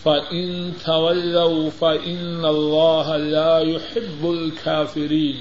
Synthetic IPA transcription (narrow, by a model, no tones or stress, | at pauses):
fɐʔɪnt̪ʰɐwɐlːawfɐʔɪnːɐlˤːaːɦalaːjʊħɪbːʊlkʰaːfɪɾiːn